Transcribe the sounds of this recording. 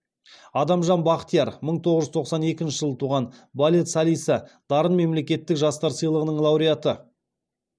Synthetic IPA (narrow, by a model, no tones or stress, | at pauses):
ɑd̪ɑmʒɑnbɑqt̪ijɑɾməɴt̪ʰo̞ʁəʒʏzt̪ʰoqsɑne̞kʲɪnʃɪʒəlˠət̪ʰuʁɑnbalʲet̪salʲijsəd̪̥ɑɾənme̞mle̞kʲe̞t̪ːɪkʒɑst̪ɑɾsəjlˠəʁənəɴlˠɑwɾijat̪ə